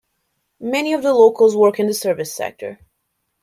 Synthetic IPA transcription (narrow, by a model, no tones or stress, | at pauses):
mɛniʌvðəloʊkʰl̩ˠzwɜ˞kɨ̃nðɨsɜ˞vɨsɛ̰k̚tʰə̰˞